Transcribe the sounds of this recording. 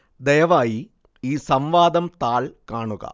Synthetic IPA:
d̪ɐjɐʋaːji | iːsɐmʋaːd̪ɐmt̪aːɭkaːɳuɣɐ̰

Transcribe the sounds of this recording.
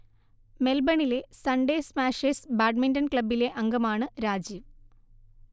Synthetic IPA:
me̞lbɐɳile̞sɐɳɖeːsmaːʂeːsbaːɖmindɐnkɭɐbːileʔɐŋɡɐmaːɳɨɾaːd͡ʑiːʋ

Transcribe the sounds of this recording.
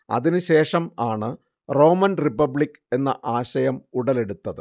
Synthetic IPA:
ɐ̰ðinɨɕe̞ːʂɐmaːɳɨ | ro̞ːmɐnripɐbɭikː | e̞nːɐ̰ʔaːɕɐjɐmuɽɐle̞ɽut̪ːɐðɨ

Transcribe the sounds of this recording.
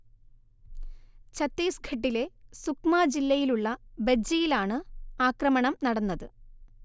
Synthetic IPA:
t͡ɕɐt̪ːeːsɡʱɐʈːile̞sukmaːd͡ʑilːɐjiluɭːɐbed͡ʑɐjilaːɳɨaːkrɐmɐɳɐmnɐɽɐnːɐðɨ

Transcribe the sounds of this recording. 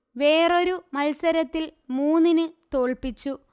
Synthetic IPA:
ʋe̞ːro̞ɾumɐlsɐɾɐt̪ːilmuːnːinɨt̪o̞ːɭpit͡ɕːu

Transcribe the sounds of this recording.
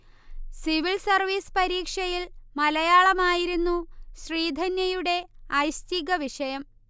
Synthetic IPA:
siʋilsɐrʋiːspɐɾiːkʂɐjilmɐlɐjaːɭɐmaːjiɾunːuɕriːd̪ʱɐnjɐjuɽe̞ɐjɕt̪iɣɐʋiʂɐjɐm

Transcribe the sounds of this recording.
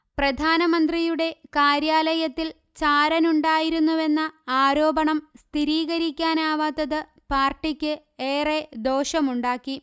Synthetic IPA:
prɐd̪ʱaːnɐmɐnd̪rijuɽe̞kaːɾjaːlɐjɐt̪ːil | t͡ɕaːɾɐnuɳɖaːjiɾunːuʋe̞nːɐaːɾo̞ːbɐɳɐmst̪ʰiɾiːɣɐɾikʲːaːnaːʋaːt̪ːɐðɨ | paːrʈːikʲːɨ | eːred̪o̞ːɕɐmuɳɖaːkːi

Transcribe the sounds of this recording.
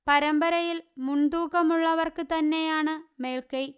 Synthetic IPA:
pɐɾɐmbɐɾɐjilmund̪uːɣɐmuɭːɐʋɐrkɨt̪ɐnːejaːɳɨme̞ːɭkɐj

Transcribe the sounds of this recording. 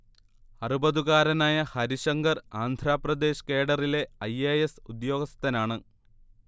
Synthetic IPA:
ɐrubɐðuɣaːɾɐnaːjɐhɐɾiɕɐŋɡɐraːnd̪ʱraːprɐd̪e̞ːɕke̞ːɽɐrile̞ɐjejesud̪jo̞ːɡɐst̪ɐnaːɳɨ

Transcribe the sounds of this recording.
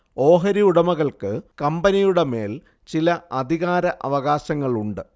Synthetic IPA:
o̞ːɦɐɾiuɽɐmɐɣɐɭkɨkɐmbɐnijuɽe̞me̞̰ːl | t͡ɕilɐɐd̪ʱiɣaːɾɐʔɐ̰ʋɐɣaːɕɐŋːɐɭuɳɖɨ

